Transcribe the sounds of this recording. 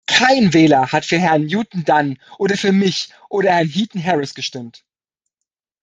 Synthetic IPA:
kʰaɪnvɛːlɐhatfyːɐɦɛɐnjuːtn̩danʔoːdɐfyːɐmɪçʔoːɾɐhɛɐnɦiːtn̩ɦɛʁɪsɡ̥əʃtɪmt

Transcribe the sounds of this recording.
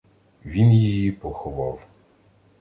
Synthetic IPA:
ʋʲinjijipɔxɔʋɑw

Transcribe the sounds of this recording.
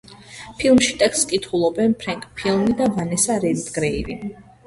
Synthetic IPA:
pʰilˠmʃit̪ʼɛkst̪skʼit̪ʰχulˠɔbɛnpʰɾaŋkʼpʰilˠmid̪avanɛsaɾɛlt̪ɡɾɛiɾi

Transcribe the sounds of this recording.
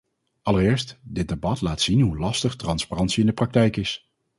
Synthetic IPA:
ʔɑlərɪːɹstdɪd̚debɑtlaːtsinɦulɑstəχtrɑnsparɑntsiɪndəprɑk̚tɛjkɪs

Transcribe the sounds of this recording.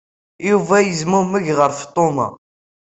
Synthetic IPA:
juvæjəzmʊməʝʁəɾft̪ˤːomɑ̰

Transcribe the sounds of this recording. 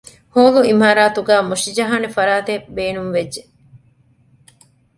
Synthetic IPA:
hoːluimaːɾaːt̪uɡæːmuʃid͡ʒɐɦaːnefɐɾaːt̪ebeːnunʋedʒe

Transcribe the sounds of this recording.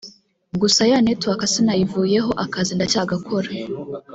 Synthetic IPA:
ɡusajaːnetwakasinajivuːje̞ɦo̞ʔakazindacaːɡakʰo̞ɾa

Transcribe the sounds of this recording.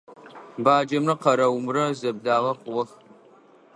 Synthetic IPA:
baːd͡ʒɐmrɐqɐɾɐwmrɐzɐb̚daːʁɐqʷʊwɐx

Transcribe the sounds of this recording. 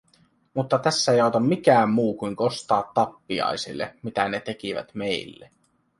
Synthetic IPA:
mut̪ːɑt̪æsːæejɑot̪ɑmmikæːmmuːkujŋko̞st̪ɑːt̪ːɑpːiɑ̰jsḭlːḛmit̪æne̞t̪e̞kiʋæ̰t̪me̞jlːḛ

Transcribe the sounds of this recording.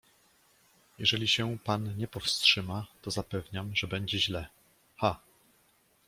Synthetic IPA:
jɛʐɛlʲiɕɛpanɲɛpɔfstʂɘmat̪ɔzapɛvɲamʐɛbɛɲd͡ʑɛʑlɛ | xa

